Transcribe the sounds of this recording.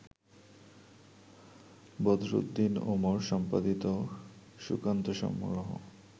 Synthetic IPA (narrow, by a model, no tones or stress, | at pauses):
bɔd̪ɾo̰d̪ːinomoɾʃɔmpad̪it̪o | ʃṵkant̪oʃɔ̰mṵɾoɦo̰